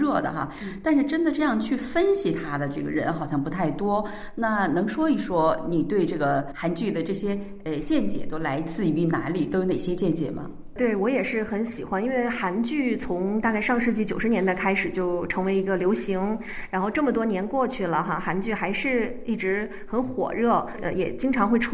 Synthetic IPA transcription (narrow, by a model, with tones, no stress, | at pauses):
ɻɤ˥˩d̪ə̰˩xa̰˧ | t̪a˥˧nʂɻ̩˥˧ʈ͡ʂə˥nd̪ə˨ʈ͡ʂɤ˥˧jɑ˥˧ŋt͡ɕʰy˥˩fə˥nɕi˨t̪ʰa˥d̪ə˨ʈ͡ʂɤ˥˩ɡə̰˩ɻə̰˧˥nxɑ˨˩ʊɕjɑ˥˩ŋpu˧˥t̪ʰa˥˩ɪt̪wɔ˥ | na˥˩nɤ˧˥ŋʂwɔ˥i˨˩ʂwɔ˥ni˨˩t̪we˥˧ɪʈ͡ʂɤ˥˩ɡə˩xa˧˥nt͡ɕy˥˩d̪ə˩ʈ͡ʂɤ˥˩ɕjɛ˥ | ə˧˩t͡ɕjɛ˥˩nt͡ɕjɛ̰˨˩t̪o˥ʊla˧˥ɪt͡sɹ̩˥˩y˧˥na˧˥nli˨˩t̪o˥ʊjo˧˥ʊne˨˩ɪɕjɛ˥t͡ɕjɛ˥˩nt͡ɕjɛ̰˨˩mɐ̰˦ | t̪we˥˩ɪwɔ˧˥jɛ˨˩ʂɻ̩˥˩xə˧˥nɕi˨˩xwa˧˥ni˥nwe˥˩ɪxa˧˥nt͡ɕy˥˩t͡sʰʊ˧˥ŋt̪a˥˧ka˥˧ɪʂɑ˥˧ŋʂɻ̩˥˧t͡ɕi˥˩t͡ɕjo˨˩ʊʂɻ̩˧˥jɛ˧˥nd̪a˥˧ɪkʰa˥ɪʂɻ̩˨˩t͡ɕjo˥˩ʊʈ͡ʂʰɤ˧˥ŋwe˧˥ɪi˧˥ɡə˧ljo˧˥ʊɕi˧˥ŋ | ɻa˧˥nxo˥˧ʊʈ͡ʂɤ˥˩mə˩t̪wɔ˥njɛ˧˥nkwɔ˥˧t͡ɕʰy˥˩lə˩xa˧xa˧˥nt͡ɕy˥˩xa˧˥ɪʂɻ̩˥˧i˥˩ʈ͡ʂɻ̩˧˥ | xə˧˥nxwɔ̰˨˩ɻɤ˥˩ | ə̰˧jɛ̰˨˩t͡ɕi˥ŋʈ͡ʂʰɑ˧˥ŋxwe˥˩ɪʈ͡ʂʰ